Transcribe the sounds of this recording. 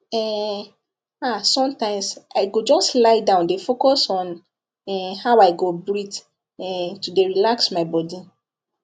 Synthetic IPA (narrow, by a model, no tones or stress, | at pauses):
ɛ | asɔ̃mtãɪ̃msaɪɡod͡ʒɔstlaɪdãʊ̃ndefokɔsɔ̃n | ɛhaʊaɪɡobɹit | ɛtudeɹilaksmaɪbɔdi